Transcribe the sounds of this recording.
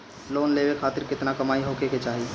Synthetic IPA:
loːnleːwekʰaːt̪ɪɾkɪt̪nakɐmaːiɦoːkeket͡ʃaːɦi

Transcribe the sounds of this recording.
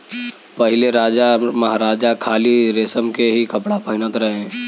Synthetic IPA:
pɐɦɪleɾaːd͡ʒamɐɦaːɾaːd͡ʒakʰaːliɾeːsəmkeɦikɐpɽapɐɦɪnət̪ɾɐɦẽ

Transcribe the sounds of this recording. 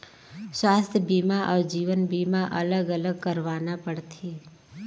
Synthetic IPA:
swaːst̪ʰjəbiːmaʔɔːɾd͡ʒiːʋənbiːmaʔələɡələɡkəɾʋaːnapəɽt̪ʰiː

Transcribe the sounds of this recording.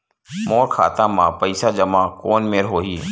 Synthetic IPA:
moːɾkʰa̰ːt̪ãːmãːpəɪsaːd͡ʒəmãːkoːnmeːɾɦoːɦiː

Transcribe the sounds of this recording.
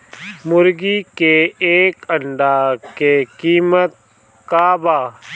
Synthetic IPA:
mʊɾɡikeeːkəɳɖaːkekiːmət̪̚ | kaːbaː

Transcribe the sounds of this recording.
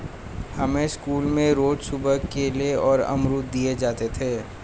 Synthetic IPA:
hɐmẽskuːlmẽɾoːd͡ʒsʊbəkeleɔːɾɐ̰mɾuːt̪̚d̪ied͡ʒaːt̪et̪ʰeː

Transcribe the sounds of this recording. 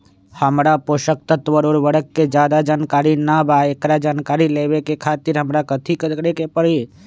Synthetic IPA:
həmɾapoʃək̚t̪ət̪ʋəɾoːɾʋəɽəkːed͡ʒjaːd̪ad͡ʒaːnkaːɾinabaːekɾad͡ʒaːnkaːɾileːʋekekʰaːt̪ɪɾɦəmɾakət̪ʰikəɽekepəɽi

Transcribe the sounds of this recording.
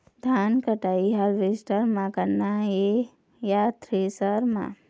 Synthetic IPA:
d̪ʱaːnkəʈaːiɦalʋɪsʈəɾmãkəɾnaɦe | jat̪ɾesəɾmã̰

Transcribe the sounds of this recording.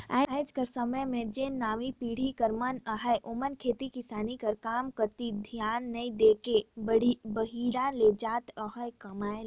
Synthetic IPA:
a̰ːad͡ʒkəɾsəməjmẽd͡ʒẽnaːʋipiːɽ̤ikəɾmənaɦəjʔomənkʰeːt̪ikisaːnikəɾkaːmkəɾt̪id̪ʱjaːnːəĩd̪ekebəɽ̤ibəɦiɾãled͡ʒaːt̪əɦəjkɐmaːj

